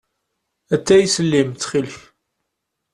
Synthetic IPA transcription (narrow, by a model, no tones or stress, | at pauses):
æt͡sːæjsəlːimt͡sːχilç